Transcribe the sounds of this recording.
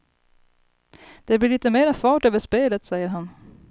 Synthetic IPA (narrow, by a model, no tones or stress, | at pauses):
d̪̥ɛblɪɭiːt̪əmeːɾafɑːʈøːvəʂpeːlət̪sɛjːəɾɦan